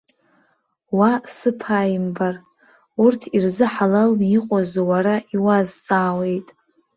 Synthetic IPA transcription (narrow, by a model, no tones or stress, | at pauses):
wasɨpʰajimbar | urtʰirzɨħalalniqʷʼozowaɾaʔiwazt͡sʼaːwe̞jtʼ